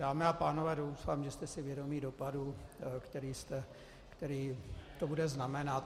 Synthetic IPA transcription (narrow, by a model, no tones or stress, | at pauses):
d̥aːmɛapaːnovɛːdowsfaːmʒɛst̪ɛsɪvjɛdomiːdo̞padukt̪ɛɾiːst̪ɛ | kt̪ɛɾiːt̪obudɛznamɛnat̪